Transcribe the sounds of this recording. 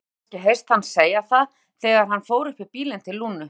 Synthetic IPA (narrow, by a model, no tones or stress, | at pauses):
cɪɦejst̪hanseːjaθað | θɛːɣaɾ̥ɦanːfoːwɾʏhpɪpiːlɪnt̪ʰɪlːuːnʏ